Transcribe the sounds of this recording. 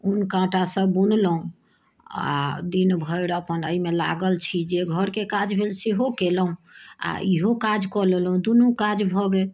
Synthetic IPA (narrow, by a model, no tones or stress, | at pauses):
unkãʈasə̃bunlɦũ | a̰d̪inbʱəiɾəpənəimela̰ɡəlt͡ʃʰid͡ʒeɡʱəɾkekad͡ʒbʱelsiɦokelɦũa̰iɦokad͡ʒkɔlelɦũd̪unukad͡ʒbʱɔɡe